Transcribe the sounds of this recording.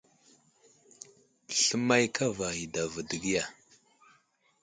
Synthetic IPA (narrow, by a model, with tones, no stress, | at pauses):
ɬə˦ma˦jkʰa˦va˨ɣi˨da˨və˨də˨ɡi˦ja˨